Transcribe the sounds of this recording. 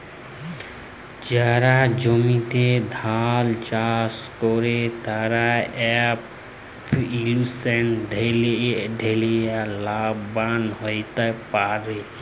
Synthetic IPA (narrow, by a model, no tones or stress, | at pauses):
d͡ʒaɾad͡ʒɔmit̪ed̪ʱalt͡ʃaskɔɾet̪aɾaɛp | pʰilusenɖʱ | ɖʱelejalabbanɦɔjt̪apaɾe